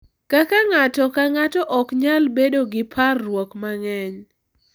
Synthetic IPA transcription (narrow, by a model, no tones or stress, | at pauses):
kakaŋatɔkaŋatɔʔɔkɲalbedoɡɪpʰarːwɔkmaŋɛɲ